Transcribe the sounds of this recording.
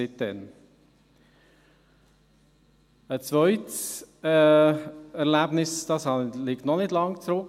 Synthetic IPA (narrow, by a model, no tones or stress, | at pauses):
ɪt̚ɛn | ət͡svœʏts | ɛʁlæbnɪsd̥ɑsɑliktnɔnɪdlɑŋt͡sɾʊk